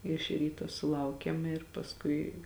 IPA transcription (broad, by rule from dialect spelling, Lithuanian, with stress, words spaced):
ɪʃ ˈrʲiːtoː sʊˈlˠɐʊkʲeːm ɪr pɐsˈkʊɪ